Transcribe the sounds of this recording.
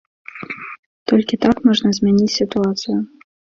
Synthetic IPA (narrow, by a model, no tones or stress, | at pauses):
t̪ɔlʲkʲit̪akmɔʐnɐzʲmʲɛnʲit͡sʲsʲit̪uat̪sɨjʊ